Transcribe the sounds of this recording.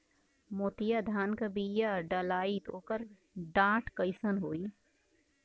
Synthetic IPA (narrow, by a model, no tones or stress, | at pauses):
moːt̪ijad̪ʱaːnkɐbiːjaɖɐlaːit̪ʰoːkəɾ | ɖãːʈkəɪsənɦoːiː